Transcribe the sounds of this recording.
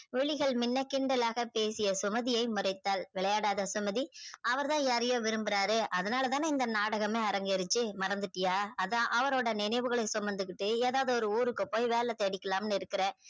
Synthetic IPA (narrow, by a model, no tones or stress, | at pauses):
ʋɛɭɪɣɐɭmɪnːɐkɪɳɖɐlaːɣɐpeːsɪjɐsʊmɐðɪjɐɪmʊrɐɪt̪ːaːlʋɪɭɐjaːɽaːðɐsʊmɐðiʔɐʋɐɾt̪ãːjaːɾɐjoːʋɪɾɯmbɪɾaːɾɯʔɐðɐnaːlɐt̪aːnɪnd̪ɐnaːɽɐɣɐmeːɐɾɐŋɡɪɐɾɯt͡ʃːɯmɐɾɐnd̪ɯʈːɪjaːɐðãʔɐʋɐɾoːɽɐnɪnɐɪʋɯɣɐɭɐɪsɔmːɐnd̪ɯkːɪʈːɯeːðaːʋðɯɔɾɯuːɾɯkːɯpːoːjʋeːlɛt̪ːɛɽɪkːɐlaːmnɪɾɯkːɪɾeː